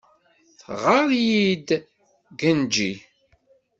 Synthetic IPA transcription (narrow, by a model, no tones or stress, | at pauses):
θʁəɾjid̪ | ɡənd͡ʒi